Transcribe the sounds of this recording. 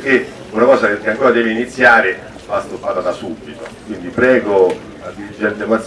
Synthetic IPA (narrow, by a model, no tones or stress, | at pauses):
k̟e | unakɔːsakkeaŋkoːɾad̪ɛːviinit̪sːjaːɾe | vast̪upːat̪ad̪asubːit̪okwind̪ipɾɛːɡo | ad̪ːiɾid͡ʒːɛnt̪emas